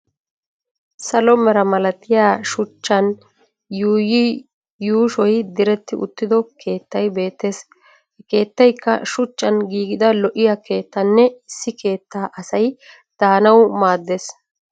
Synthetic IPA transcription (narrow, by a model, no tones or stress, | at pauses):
sɐlɔmɛɾɐmɐlɐt̪ɪjaːʃʊt͡ʃːɐn | juːji | juːʃɔjd̪ɪɾɛt̪ːɪʔʊ̰t̪ːɪd̪ɔkʰe̞ːt̪ːɐjbe̞ːt̪ːe̞s | hɛke̞ːt̪ːɐjkːɐ̰ʃʊt͡ʃːɐnɡiːɡɪd̪ɐlɔʔɪjɐke̞ːt̪ːɐnːɛɪsːɪkʰe̞ːt̪ːaːʔɐsɐj | d̪̥aːnɐwmaːd̪ːes